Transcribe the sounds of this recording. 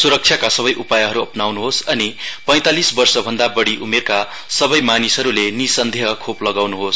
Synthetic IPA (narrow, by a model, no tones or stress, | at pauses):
suɾʌk̚t͡ʃʰjakasʌβʌjʔupajʌɦʌɾuʌpnawnuɦosʌnipʌj̃t̪alisbʌrsʌbʱʌnd̪abʌɽiʔumerka | sʌbʌjmanisɦʌɾulenisʌnd̪ʱeɦʌkʰoplʌɡawnuɦos